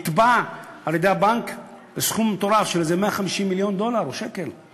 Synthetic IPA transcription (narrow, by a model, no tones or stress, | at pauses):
t̪baaljed̪ejabank | besχumːet̪oɾafʃelzemeaχamiʃimːiljond̪olaɾoʃekel